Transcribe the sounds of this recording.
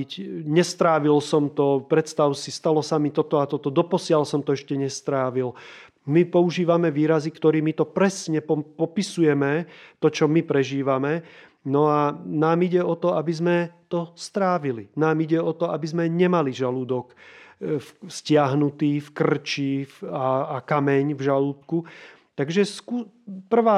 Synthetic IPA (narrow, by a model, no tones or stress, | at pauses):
cɲɛst̪ɾaːʋilsɔmt̪ɔpɾɛt̪st̪aʊsist̪alɔsamit̪ɔt̪ɔat̪ɔt̪ɔd̪ɔpɔsɪalsɔmt̪ɔɛʃcɛɲɛst̪ɾaːʋil | mipɔuʒiːʋamɛʋiːɾazikt̪ɔɾiːmit̪ɔpɾɛsɲɛpɔpɔpisujɛmɛt̪ɔt͡ʃɔmipɾɛʒiːʋamɛ | nɔanaːmiɟɛɔt̪ɔabizmɛt̪ɔst̪ɾaːʋilinaːmiɟɛɔt̪ɔabizmɛɲɛmaliʒaluːd̪ɔk | fscɪaɦnut̪iːfkr̩t͡ʃifaːkamɛɲvʒaluːt̪ku | t̪aɡʒɛsku | pr̩ʋaː